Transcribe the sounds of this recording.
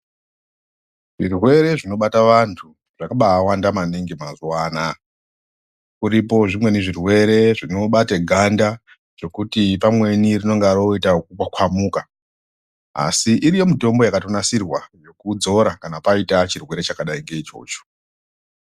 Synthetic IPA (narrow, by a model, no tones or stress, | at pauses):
ʐirwe̞ɾe̞ʐino̞ɓataʋantʰu | ʐ̥akaɓaːwandamaneŋɡemazuwaːna | kuɾipo̞ʐimwe̞niʐirwe̞ɾe̞ʐinoɓateɡʱanda | ʐ̥o̞kutipamwe̞nirino̞ŋɡaroitakukakwamuːka | a̰siʔiɾijo̞mito̞mbo̞jakatonasirwajo̞kud͡zo̞ɾakanapaitat͡ʃirwe̞ɾe̞t͡ʃakaɗaiŋɡe̞it͡ʃo̞̰ːt͡ʃo̥